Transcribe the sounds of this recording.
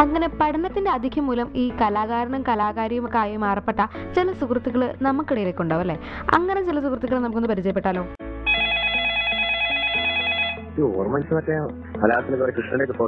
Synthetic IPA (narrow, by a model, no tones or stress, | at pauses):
ɐŋːɐne̞pɐʈʰɐnɐt̪ːindeɐd̪ʱikʰjɐmːuːlɐmiːkɐlaːɣaːɾɐɳɐmkɐlaːɣaːɾjɐjumkːaːjɐumaːrɐpːe̞ʈːɐt͡ɕelɐsukrɐt̪ːiɣɐɭɨnɐmːukːiɽɐjileːkːuɳɖaːʋɐlːeː | ɐ̰ŋːɐne̞t͡ɕelɐsukrɐt̪ːiɣɐɭnɐmuk̬ːonːɨpɐɾit͡ɕɐjɐpːeʈːaːlo̞ː | io̰ːrmɐnsɐmɐtːe | ɐlaːɐt̪ːinɨkɐɾekrɨʂɳɐɽekːɨpoː